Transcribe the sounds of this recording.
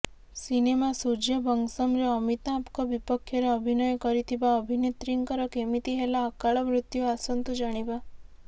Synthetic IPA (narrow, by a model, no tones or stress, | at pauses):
sinemasud͡ʒjəbʱəŋɡsəmɾeəmit̪ãːpkɔʋipəkʰjɾeəbʱinɔjkəɾit̪ʰibaəbʱinet̪ɾiŋkəɾɔkemit̪iɦelaəkaɭɔmɾʊt̪juasənt̪ud͡ʒaɽ̃iʋa